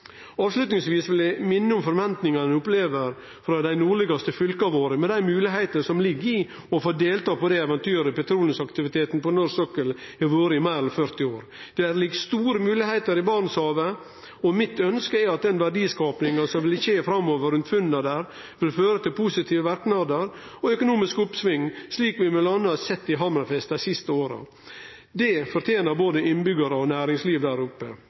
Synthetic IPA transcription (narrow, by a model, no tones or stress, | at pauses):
ɑːʋslʉt̪nɪŋsʋiːsʋɪljæɪmɪnːəʊmfɔɾʋɛnt̪nɪŋɑnəʊpleːʋəɾ | fɾɑd̪æɪnuːɭɪɡɑst̪əfʏlkɑʋoːɾəmɛnd̪æɪmʉːlɪɦæɪt̪əəsɔmlɪɡːɪ | ɔfoːd̪eːlt̪ɑːpɔd̪æɪɛʋɛnt̪ʰyːɾəpɛt̪ʰɾuːlənsɑkt̪ɪʋɪt̪ʰeːt̪n̩pɔnɔɾsɔkəlɛʋoːɾəɪmæɪɾɛfœɾt̪ɪoːɾ | d̪̥ɛæɾlɪɡst̪uːɾəmʉːlɪheɪt̪əɾɪbɑɾɳəshɑːʋə | ɔmɪt̪œnskəæɾɑt̪̚d̪ɛnʋæɖiːskɑːpnɪŋəsɔmʋɪlçeːfɾɑmːoːʋəɾʉnt̪fʉnːəd̪æɾ | ʋɪlføːɾət̪ɪlpʰʊsɪt̪ʰiːʋəʋæɾknɑd̪əɾ | ɔœkʊnuːmɪskʊpsʋɪŋːsliːkʋɪmɛlɑnːəɑsɛt̪ːɪɦɑmnɑfɛst̪æsɪst̪əoːɾɑ̰ | d̪ɛfɔɾt̪ʰjeːnəɾboːd̪əɪnbʏɡəɾəɔnæːɾɪŋsliːʋd̪æːɾʊpːə